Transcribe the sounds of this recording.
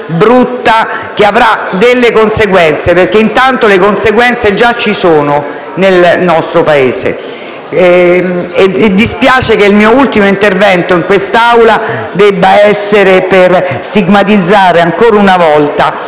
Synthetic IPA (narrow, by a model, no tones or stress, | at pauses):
bɾut̪ːak̟eavɾad̪elːekonseɡwɛnt̪seperkeint̪ant̪olekonseɡwɛnt̪sed͡ʒat͡ʃːisoːno | nelnɔst̪ɾopaeːsḛ | ed̪ispjaːt͡ʃekeilmiːoult̪imoint̪ervɛnt̪oiŋkwest̪awlad̪ɛbːaɛsːeɾeperst̪iɡmat̪id̪zːaːɾeaŋkoːɾaunavɔlt̪a